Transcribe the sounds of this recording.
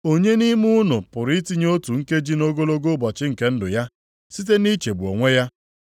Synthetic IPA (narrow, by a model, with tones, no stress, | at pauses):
o˦ɲe˦ni˦mu˦ʊ˦nʊ˨pʊ˨ɾi˦ti˦ɲ˦o˦tu˨ŋ̩˦ke˦d͡ʒi˦no˦ɡo˦lo˦ɡo˦bɔ˨t͡ʃɪ˦ŋ̩˨ke˦n̩˦dʊ˨ja˦ | si˦t̬e˦ni˦t͡ʃe˨bu˨o̰˨ŋʷe˦ja˦